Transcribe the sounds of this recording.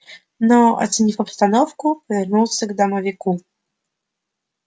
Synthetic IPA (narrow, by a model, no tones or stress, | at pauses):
nɔɔ̰sʲɲʲifɔpst̪anɔfkupɔvʲɛɾnuwsʲɛɡd̪amɔvʲiku